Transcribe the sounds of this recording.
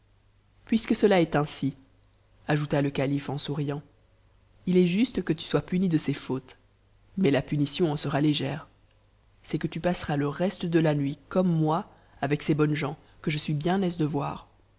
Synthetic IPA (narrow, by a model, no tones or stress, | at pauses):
pɥiskəsəlaɛt̪ɛ̃si | aʒut̪aləkalifɑ̃suʁijɑ̃ | ilɛʒyst̪əkət̪y̥swapynid̪əsefoːt̪ | mɛlapynisjɔ̃ɑ̃səʁaleʒɛːʁ | sɛkət̪ypasʁaləʁɛst̪əd̪əlanɥikɔmːwa | avɛksebɔnʒɑ̃ | kəʒəsɥibjɛ̃nɛzd̪əvwa̰ːʁ